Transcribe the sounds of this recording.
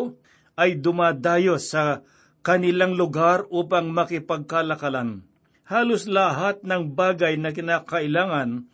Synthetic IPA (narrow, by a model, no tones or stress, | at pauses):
ʔɐjd̪ʊmaːd̪aːjosɐ | kɐnɪlaŋlʊɡaɾʔuːpɐŋmɐkɪpɐɡ̚kɐlɐkɐlan | haːloslɐɦat̪̚nɐŋbaːɡɐjnɐkɪnaːkɐʔɪlaːŋɐn